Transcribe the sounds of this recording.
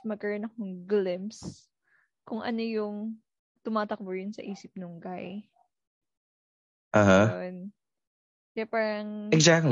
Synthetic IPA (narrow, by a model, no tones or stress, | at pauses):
mɐɡ̚kɐɾonɐkoŋɡlɪms | kʊŋʔɐ̰nojʊŋ | t̪ʊmaːt̪ɐk̚bʊjʊnsɐ̰ʔiːsɪp̚nʊŋɡaj | ʔɐhan | kɐjapaːɾɐŋɛkzak̚l